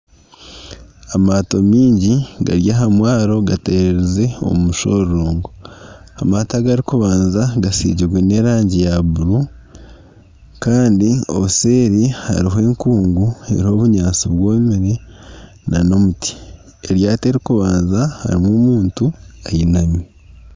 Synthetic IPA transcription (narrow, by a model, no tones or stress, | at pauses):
amaːto̞miːɲɟiɡa̰ɾjaɦamwaːɾo̞ɡateɾeɾeze̞o̰mmuʃo̞ɾɾoːŋɡo | amataɡaɾikuβaːnzaɡasḭːɟiɾɡwene̞ɾaːɲɟejaβuɾu | kaːndio̞̰βuse̞ːɾiha̰ɾiɦe̞ːŋkuːŋɡue̞̰ɾiho̞βuɲaːnsiβwoːmiɾe | nano̞mutʰi̥ | eɾjaːte̞ɾikuβaːnzaha̰ɾimwomuːntuajinami